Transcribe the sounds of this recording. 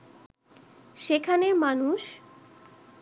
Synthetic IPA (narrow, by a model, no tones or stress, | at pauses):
ʃekʰaneɾmanuʃ